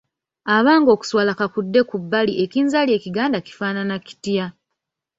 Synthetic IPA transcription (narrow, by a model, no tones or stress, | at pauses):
aβaːŋɡo̞ːku̥swaːlakakudːe̞kubːaliʔe̞kiːnzalje̞ːciɡaːndaki̥faːnanaki̥tja